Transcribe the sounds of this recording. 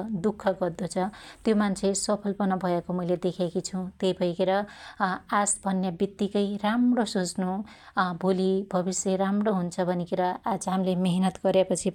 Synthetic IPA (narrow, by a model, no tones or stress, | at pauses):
d̪ukʰːʌɡʌrd̪ot͡sʰʌt̪jomant͡sʰesʌpʰʌlpʌnʌbʱʌekomʌjled̪ekʰekit͡sʰũt̪ejbʱʌjkeɾʌ | ad͡zbʱʌnjabit̪ːikʌjramrosot͡snubʱolibʱʌbisjʌɾamroɦunt͡sʰʌbʱʌnikeɾʌad͡zɦamlemeɦnʌt̪ɡʌɾjapʌt͡sʰi